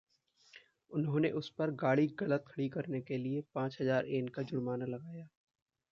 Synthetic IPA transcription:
ʊnɦõːneʔʊspɐɾɡaːɽiɡɐlət̪̚kʰɐɽikɐɾnekeliepãːt͡ʃɦɐzaːɾeːnkad͡ʒʊɽmaːnalɐɡaːjaː

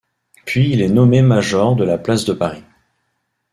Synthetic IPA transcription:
pɥiːlɛnɔmemaʒɔʁd̪əlaplasd̪əpaʁi

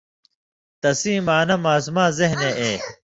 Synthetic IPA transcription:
t̪ɐsiːmaːnɐmaːs̬umaːzeɦneːʔeː

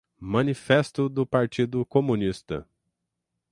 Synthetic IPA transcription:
mɐ̃nifɛst̪ʊd̪ʊpaɾt͡ʃid̪ʊkomũnist̪ɐ̰

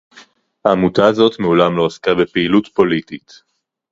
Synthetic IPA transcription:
haːmutaːzo̞tmeulamlo̞askabe̞peilutpo̞litit

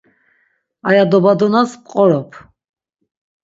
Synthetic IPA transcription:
ajad̪ɔbad̪ɔnaspqʼɔɾɔpʰ

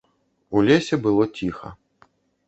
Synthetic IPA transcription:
ulʲesʲɛbɨlˠɔt͡sʲixɐ̰

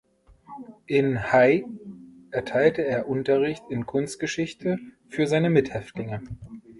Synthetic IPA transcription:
ʔɪnhaɪʔɛɐtʰaɪltəeːɐʔʊntɐʁɪçtɪnkʰʊnstɡ̥əʃɪçtʰəfyːɐzaɪnəmɪthɛftlɪŋə

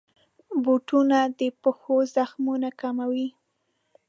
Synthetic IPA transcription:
boʈunad̪əpəxozaxmunakamawi

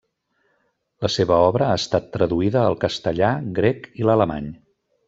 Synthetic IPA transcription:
ləseβəɔβɾəaəst̪at̪ːɾəðuiðəːlˠkəst̪əʎaɡɾɛkilələma̰ɲ

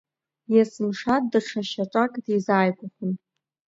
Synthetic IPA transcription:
jasɨmʂat̚daʈ͡ʂʰaʃaʈ͡ʂʼakʼdizaːjkʷʼʊχʷʊn

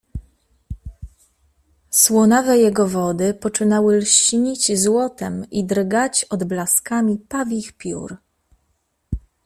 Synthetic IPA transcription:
swɔnavɛjɛɡɔvɔd̪ɘpɔt͡ʂɘnawɘlɕiɲid͡ʑzwɔt̪ɛmid̪ɾɡat͡ɕɔd̪blaskamʲipavʲixpʲjṵɾ

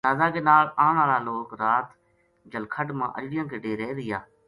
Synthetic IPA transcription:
aːzaːkeːnaːlaːɳaːɾaːloːkɾaːt̪ | d͡ʒəlkʰəɖmã̰ːʔə̰d͡ʒɽɪjãːkeːɖeːɾɛːɾɪjaː

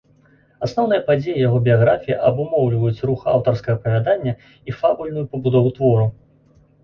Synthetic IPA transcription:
asnɔwnɨjɐpad͡zʲejɐjaɣɔbʲijaɣɾafʲijiʔɐbumɔwlʲvɐjut͡sʲruxa̰wt̪ɐrskɐɣɐpɐvʲad̪anʲːɐ | ifabulʲnujupɐbud̪ɔvut̪vɔɾu

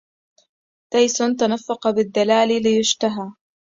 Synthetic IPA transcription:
t̪ajsʊnt̪anafːɑqɑbɪd̪ːalaːlilɪjʊʃt̪aɦaː

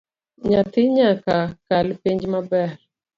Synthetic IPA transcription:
ɲat̪ɪɲakakalɪpeɲd͡ʒmabɛɾ

